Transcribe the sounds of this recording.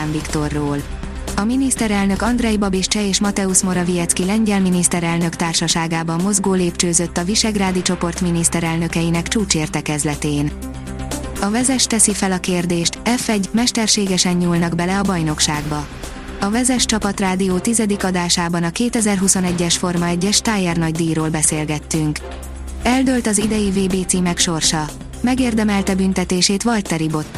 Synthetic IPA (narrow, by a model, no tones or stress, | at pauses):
aːɱvikt̪o̞rːoːl | ɒminist̪ɛɾɛlnøkɒnd̪rɛjbɒbiʃt͡ʃɛeːʃmɒt̪ɛuʃmo̞ɾɒvijɛt̪skilɛɲɟɛlminist̪ɛɾɛlnø̞kt̪aːrʃɒʃaːɡaːbɒmːo̞zɡoːleːpt͡ʃøːzø̞t̪ːɒviʃɛɡraːd̪it͡ʃo̞po̞rt̪minist̪ɛɾɛlnø̞kɛjinɛkt͡ʃuːt͡ʃeːrt̪ɛkɛzlɛt̪eːn | ɒvɛzɛʃt̪ɛsifɛlɒkeːrd̪eːʃt̪ɛfɛɟmɛʃt̪ɛrʃeːɡɛʃɛɲɲuːlnɒɡbɛlɛɒbɒjno̞kʃaːɡbɒ | ɒvɛzɛʃt͡ʃɒpɒt̪raːd̪ioːt̪izɛd̪ikɒd̪aːʃaːbɒnɒkeːt̪ɛzɛrɦuso̞nɛɟːɛʃfo̞rmɒɛɟːɛʃt̪aːjɛrnɒɟd̪iːɾoːlbɛseːlɡɛt̪ːyŋk | ɛld̪øːlt̪ɒzid̪ɛjiveːbeːt̪siːmɛkʃo̞rʃɒ | mɛɡeːrd̪ɛmɛlt̪ɛbynt̪ɛt̪eːʃeːt̪ʋɒlt̪ːɛɾibo̞t̪